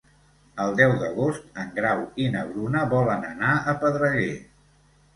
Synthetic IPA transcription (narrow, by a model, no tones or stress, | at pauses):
əlˠd̪ɛwd̪əɣost̪əŋɡɾawinəβɾunəβɔlənənaəpəðɾəɣe